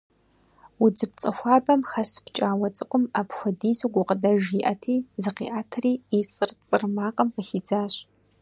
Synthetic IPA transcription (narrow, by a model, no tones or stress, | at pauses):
wʊd͡zɨp̚t͡sʼɐxʷɑːbɐmxɐspt͡ʃʼaːwɐt͡sʼɨkʷʼʊmapxʷʊdiːzuɡʷʊqədɐʒiʔɐtʰiːzɨqḭːʔaːtʰriːit͡sʼɨrt͡sʼɨrmaːqʼɐmqəxiːd͡zaːɕ